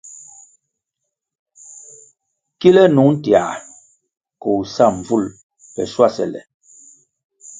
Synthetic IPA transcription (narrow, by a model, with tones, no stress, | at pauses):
ki˦lɛ˦nu˨˦n̩˦tja˨ | ko˨u˨sa˦˨ɱ˨vu˦˨l | pɛ̰˨swa˦˨sɛ̰˨lɛ̰˨